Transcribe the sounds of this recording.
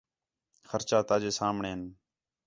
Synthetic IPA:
xəɾt͡ʃaːt̪aːd͡ʒeːsaːmɳeːn

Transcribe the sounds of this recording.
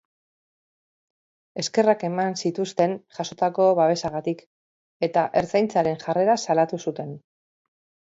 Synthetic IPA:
e̞ske̞rake̞mansit̪ust̪e̞nʝaso̞t̪ako̞βaβ̞e̞saɣat̪ik | e̞t̪aʔe̞ɾt͡sajnt͡saɾe̞nʝare̞ɾasalat̪usut̪e̞n

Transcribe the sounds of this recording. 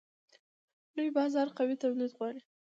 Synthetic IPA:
d̪ujbɑzɑɾqawit̪awlid̪ɣwɑɾi

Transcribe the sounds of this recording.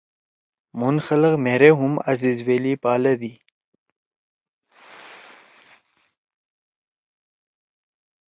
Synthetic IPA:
munxɐləqmeɾeɦumɐ̰zizweːlipaːlɐd̪i

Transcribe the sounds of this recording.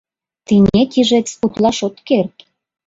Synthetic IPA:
t̪inʲet̪ʲiʒet͡sput̪lɑʃot̪kert̪

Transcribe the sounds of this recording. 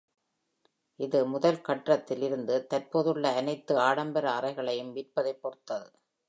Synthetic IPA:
ʔɪðɯmʊðɐlkɐʈrɐt̪ːɪlɪɾɯnd̪ɯt̪ɐrpoːðɯɭːɐːnɐɪt̪ːɯaːɽɐmbɐɾɐːrɐɪɣɐɭɐjɯmʋiːr̚pɐðɐɪpːɔɽɯt̪ːɐðɯ

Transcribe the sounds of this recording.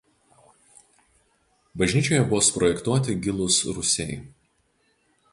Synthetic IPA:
bɐʒʲnʲiːt͡ʃʲoːjɛbʊʋoːspɾɔjɛkt̪uɔt̪ʲɪɡʲɪlˠʊsɾʊsʲɛɪ

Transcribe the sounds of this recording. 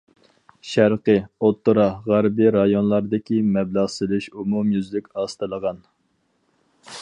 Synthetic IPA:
ʃæɾqəot̪ːɾɑʁæɾbiɾɑjonlˠɑɾd̪ɪkʲimɛblˠɑʁsɨlɪʃumumjyzlɪkʲɑːst̪ɨlˠəʁɑn

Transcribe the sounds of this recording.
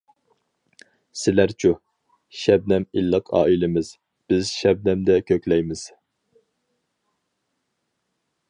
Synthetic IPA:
sɪlæɾt͡ʃʰu | ʃɛb̚nɛmilːəqʰɑ̰ːilɪmɪz̥ | b̥ɪzʃɛb̚nɛmd̪ɛkʲʰøkʲlɛjmɪz̥

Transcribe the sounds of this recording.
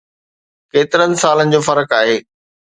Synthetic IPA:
keːt̪ɪɾənɪ̆saːlənɪ̆d͡ʑoːfɐɾəkaːɦeː

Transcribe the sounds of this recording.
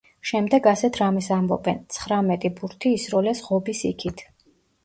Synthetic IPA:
ʃɛmd̪ɛɡasɛt̪ʰɾamisambɔ̰bɛnt̪sʰχɾamɛt̪ʼibuɾt̪ʰiːsɾɔlɛsʁɔbisḭkʰit̪ʰ

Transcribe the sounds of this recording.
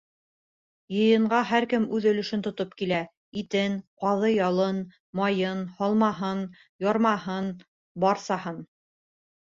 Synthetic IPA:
jɤ̆jɤ̆ɴɢɑɦæɾkɘmʉðɵ̆lɵ̆ʃɵnt̪ŏt̪opkilæ | it̪ɘnqɑðɤjɑlˠɤn | mɑjɤnhɒlˠmɑɦɤn | jɑɾmɑhɤn | bɑɾsɑhɤn

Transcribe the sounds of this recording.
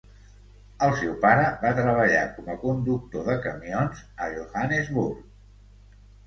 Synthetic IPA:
əlˠsɛwpaɾəβat̪ɾəβ̞əʎa̰kɔməkund̪uk̚t̪oðəkəmionzəʒuxanezβuɾk

